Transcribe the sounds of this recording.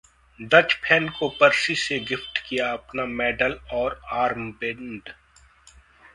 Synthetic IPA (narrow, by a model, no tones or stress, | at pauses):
ɖɐt͡ʃpʰɛːnkopɐɾsiseɡɪfʈkijaɐpnamɛːɖəlɔːɾaːɾmbẽɳɖ